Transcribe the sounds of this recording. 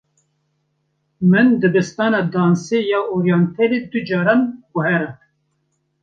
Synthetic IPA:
mɨnd̪ɨbɨst̪ɑːnɑd̪ɑːnsejɑːʔoɾjɑnt̪ʰɛled̪ɨd͡ʒɑːɾɑːnɡʊhɛɾɛ

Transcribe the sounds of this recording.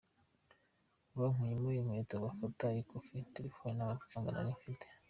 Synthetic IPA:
βaŋ̥wijimujimwetoβafatajikofituɾifuenaβatu̥fuːŋɡana̰ɾiɱfite̥

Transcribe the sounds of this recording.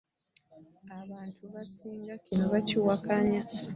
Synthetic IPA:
aβaːntʰuβasiːŋɡakʰinoβaciwakaɲa

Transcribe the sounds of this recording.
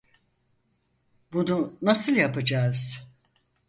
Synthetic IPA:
bununasɯlˠjapɯd͡ʒaːz̥

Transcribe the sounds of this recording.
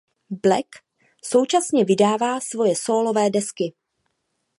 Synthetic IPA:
blɛk | so̞wt͡ʃasɲɛvɪdaːvaːsvo̞jɛso̞ːlo̞vɛːdɛskɪ

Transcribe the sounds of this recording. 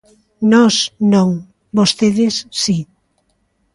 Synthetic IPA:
nɔsnõŋ | bost̪eðɪsːi

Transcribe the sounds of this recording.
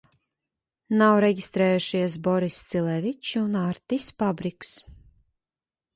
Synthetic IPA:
nawɾɛɟʲist̪ɾɛːjuʃiɛs̬bɔɾist̪silˠɛvit͡ʃuunaɾt̪isfabɾiks

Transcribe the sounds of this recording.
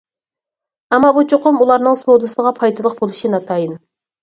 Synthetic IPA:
ɛmːɑbut͡ʃʰoqʊmulˠɑɾnɨŋsod̪ɨsɨʁɑpʰɑjt̪ʰɨlˠəq̚bolˠuʃinɑt̪ʰɑjɨn

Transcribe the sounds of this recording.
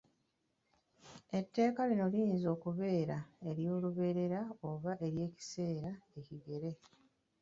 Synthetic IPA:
e̞tːe̞ːkalino̞lijiːnzo̞ːkuβe̞ːɾae̞ɾjo̞ːluβe̞ːɾe̞ɾaoβaʔe̞ɾje̞ːci̥se̞ːɾae̞ciɡe̞ɾe̞

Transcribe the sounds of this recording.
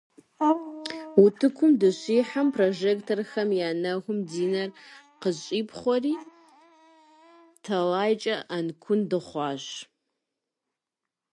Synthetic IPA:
utʰɨkʷʰʊmdɨɕiːħampʰroʒektʰorxɐmjaːnɐɣʷʊmdiːnɐr | qəzʼiːpʰχʷɔriː | tʰɐlaːjt͡ʃʼɐʔankʷʰʊndɨχʷɑːɕ

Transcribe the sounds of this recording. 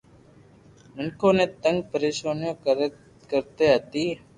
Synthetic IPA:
mɪnkʰõːnẽːt̪ə̃ŋɡ̚pəɾeːʃaːnjõːk | kəɾt̪eːɦət̪iː

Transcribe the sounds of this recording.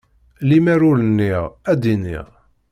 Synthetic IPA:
limæɾulənːiʁæd̪inḭʁ

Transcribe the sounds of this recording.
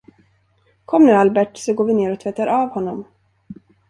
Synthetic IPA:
kʰɔmːnʉ̟ːalbɛʈsɔɡoːɾvɪneːɾɔt̪ʰvɛt̪ːaɾʔɑːvhɔnːɔm

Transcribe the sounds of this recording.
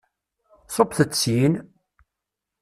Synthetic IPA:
sˤopθət͡sːin

